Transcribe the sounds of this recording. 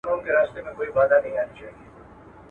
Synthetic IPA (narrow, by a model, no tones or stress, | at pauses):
oɦõkeɾaːst̪emẽkoːibaːd̪anɐ̃ɦĩaːnit͡ʃaːɦɡi